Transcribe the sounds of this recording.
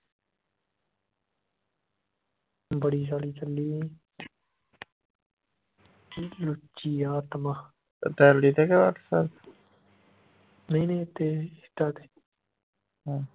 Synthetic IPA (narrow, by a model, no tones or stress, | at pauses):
bəɽiːsaːɽiːt͡ʃəlːiː | lʊt͡ʃːiːaːt̪maː | t̪ɛːliːt̪eːkɛa̰ksəɾ | nəĩːnə̃ĩt̪eːɪ̥t̪ːaːt̪e̥ː | ɦãː